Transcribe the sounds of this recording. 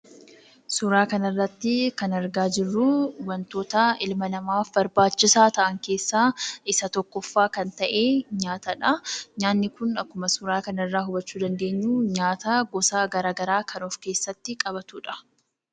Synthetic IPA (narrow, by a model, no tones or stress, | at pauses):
sʊɾaːkɐnɐrːɐt̪ːɪkɐnɐɾɡaːd͡ʒɪrːuːwɐnt̪o̞ːt̪ɐɪlmɐnɐmaːfbɐɾbaːt͡ʃːɪsaːt̪ɐʔɐŋke̞ːsːaːɪsɐt̪ɔkːɔfːaːkɐnt̪ɐʔe̞ːɲaːt̪ɐᶑɐɲaːnːɪkʊnɐkːʊmɐsʊɾaːkɐnɐɪrːaːɦʊbɐt͡ʃːuːd̪ɐnd̪e̞ːɲːuːɲaːt̪aɡɔsaːɡɐɾaːɡɐɾaːkʰɐnoːfke̞ːsːɐt̪ːɪkʼɐbɐt̪uːᶑɐ̥